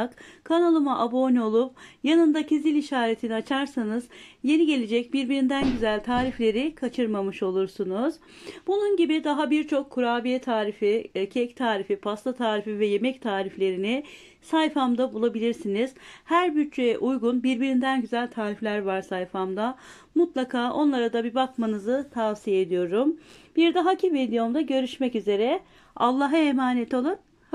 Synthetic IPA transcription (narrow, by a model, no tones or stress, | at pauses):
kkʰːanalˠɯmaʔabo̞ːnio̞lˠup̚janɯnd̪acʰezilʲiʃaːɾet̪ʰinat͡ʃʰaɾsanɯzjeniɟe̞lʲe̞d͡ʒɛc̚biɾbiɾind̪ænɟyzælʲt̪ʰaːɾiflʲe̞ɾikʰat͡ʃʰɯɾmamɯʃo̞lˠuɾsunuz̥ | bununɟibid̪aɦabiɾt͡ʃʰo̞kʰːuɾaːbijɛt̪ʰaːɾificʰɛct̪ʰaːɾifipʰast̪ʰat̪ʰaːɾifivɛje̞mɛct̪ʰaːɾiflʲe̞ɾiniɪ | sajfamd̪abulˠabilʲiɾsiniz̥hæɾbyt͡ʃt͡ʃejɛʔujɡunbiɾbiɾind̪ænɟyzælʲt̪ʰaːɾiflʲæɾvaɾsajfamd̪a | mut̪lˠakʰaːʔo̞nlˠaɾad̪abibakmanɯzɯt̪ʰaːsijeed̪ijo̞ɾumb̥iɾd̪aɦacʰived̪ijomd̪aɟø̞ɾyʃmɛcyze̞ɾɛ | a̰lˠːaɦaemaːnɛt̪ʰo̞lˠun